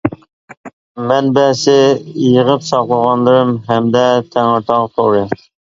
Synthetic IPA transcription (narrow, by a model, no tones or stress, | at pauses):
mænbæsɪjəʁəpsɑqlˠəʁɑnlˠɨɾɨmɦæmd̪ɛt̪ʰæŋoɾt̪ʰɑʁt̪ʰoɾə